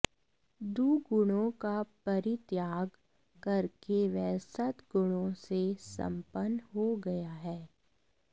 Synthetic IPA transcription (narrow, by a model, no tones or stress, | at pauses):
d̪uːɡʊɽ̃õkapɐɾɪt̪jaːɡ | kɐɾkeʋɛːsət̪ɡʊɽ̃õsesɐ̰̃mpənɦoɡɐjaɦɛː